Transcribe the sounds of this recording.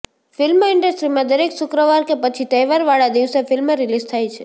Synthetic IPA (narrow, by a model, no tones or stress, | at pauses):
fɪlmɪɳɖəsʈɾimãd̪əɾeksʊkɾəʋaɾkepət͡ʃʰit̪əjʋaɾʋaɭad̪iʋsefɪlmɾilizt̪ʰajt͡ʃʰe̥